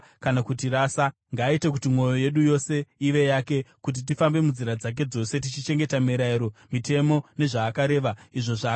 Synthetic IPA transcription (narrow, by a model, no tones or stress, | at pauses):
kanakutiɾaːsa | ŋɡaːitekutimwo̞jo̞je̞ɗujo̞se̞iʋe̞jake̞kut̬it̬ifambe̞munziɾad͡zak̬e̞d͡zo̞se̞t̬it͡ʃit͡ʃe̞ŋɡe̞tamiɾaiɾo̞mite̞mo̞ne̞ʐaːkaɾe̞ːʋaiʐo̞ʐa